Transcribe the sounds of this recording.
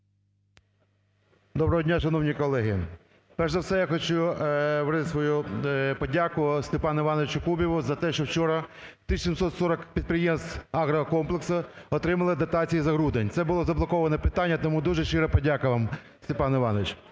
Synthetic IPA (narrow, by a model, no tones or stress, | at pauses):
d̪ɔbɾɔɦɔdʲnʲaʃɐn̪ɔwnʲikɔlˠɛɦɪ | pɛrʃɛwsɛjaxɔt͡ʃuʋɾɪt̪ɪsʋɔjupɔdʲakʊst̪epɑnɐɪʋɑnɔʋɪt͡ʃʊkubʲiʋʊzɐt̪ɛʃt͡ʃɔwt͡ʃɔɾɐt̪ɪʃsʲimsɔt̪sɔɾɔkpʲid̪̚pɾejemst̪ɑɣɾɐɦɔkɔmplˠeksɐɔt̪ɾɪmɐlˠɪd̪ɐt̪ɑt͡sʲijizɐɦɾud̪enʲt̪sɛbʊlˠɔzɐblˠɔkɔʋɐnɛpɪt̪ɑnʲːɐt̪ɔmud̪uʒɛʃt͡ʃɪɾɛpɔdʲakɐʋɑm | st̪epɑnɪʋɑnɔʋɪt͡ʃ